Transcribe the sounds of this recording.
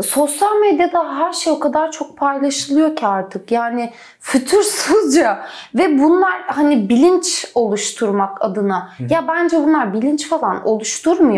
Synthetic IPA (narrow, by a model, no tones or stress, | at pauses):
so̞sjalʲmed̪jad̪aɦæɾʃejo̞kʰad̪aɾt͡ʃʰo̞k̚pʰajlˠaʃɯlˠɯjo̞cʰaaɾt̪ʰɯkjaːnɪ | fyt̪ʰyɾsuzd͡ʒavɛbunlˠaɾhanibilʲint͡ʃo̞lˠuʃt̪ʰuɾmaka̰d̪ɯnajabænd͡ʒɛbunlˠaɾbilʲint͡ʃfalˠano̞̰lˠuʃt̪ʰuɾmujo